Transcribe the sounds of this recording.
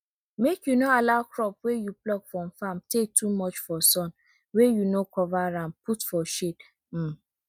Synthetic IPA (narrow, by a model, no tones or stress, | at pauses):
mekjunoalaʊkɹɔpwejuplɔɡfɹɔ̃mfãmtetumɔt͡ʃfɔsɔ̃n | wejunokɔvaɾãnputfɔʃet | m̩